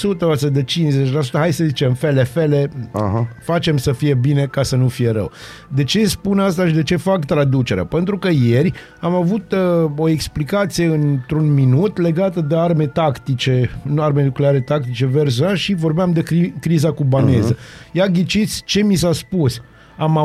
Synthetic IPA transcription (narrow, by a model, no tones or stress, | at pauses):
sut̪əasəd̪et͡ʃinzet͡ʃʲlas̬u̥t̪əɦajsəzit͡ʃe̞mfelefe̞le̞aɦfat͡ʃe̞msəfije̞bine̞kasənufije̞ɾə̰w | d̪e̞t͡ʃe̞spunast̪aʃid̪et͡ʃe̞fakt̪ɾad̪ut͡ʃe̞ɾea̰pe̞nt̪ɾukəje̞rʲ | amavut̪o̞eksplikat̪sije̞ɨnt̪ɾunminut̪le̞ɡat̪əd̪e̞arme̞t̪akt̪it͡ʃe̞nuarmenukleaɾe̞t̪ak̚t̪it͡ʃe̞vers̬oalʃivo̞rbeamd̪e̞kikɾizakubane̞zəjaɡʲit͡ʃit̪sʲt͡ʃe̞misaspus | ama